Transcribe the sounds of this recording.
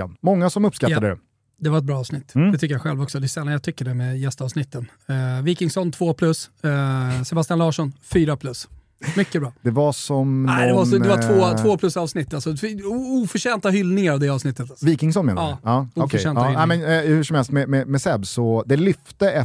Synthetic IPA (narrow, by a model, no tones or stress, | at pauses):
a̰nmɔŋːasɔmɵpːskat̪ːad̪əɾɛ̰ | d̪ɛvaɾɛt̪̚bɾɑːɑːvsnɪt̪ːd̪ɛt̪ʰʏkːəjaɧɛlvɔksɔd̪ɛsɛlːanjat̪ʰʏkːəɖɛmɛjɛst̪ɑvsnɪt̪ːən | viːkɪŋsɔnt̪ʰvoːpʰlɵs | sɛbast̪janlɑːʂɔnfyːɾapʰlɵs | mʏkːəbɾɑːd̪ɛvasɔmæɛvaɛvavoːt̪ʰvoːpʰlɵsɑːvsnɪt̪ːalsɔuːfœʂɛːnt̪aɦʏlnɪŋaɾavd̪ɛːɑːvsnɪt̪ːət̪viːkɪŋsɔnmeːnɑːɑːufœʂɛːnahɪlɛmɛnhʉ̟ʂɔmhɛlst̪mɛmɛmɛsɛbsɔd̪ɛlʏft̪əɛ